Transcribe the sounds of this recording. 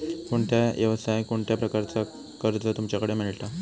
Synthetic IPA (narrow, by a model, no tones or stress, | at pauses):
koɳʈ̪ʰjajəʋsajkoɳʈ̪japɾəkaɾt͡sa | kəɾd͡zət̪umt͡ɕjakəɽemiɭʈ̪a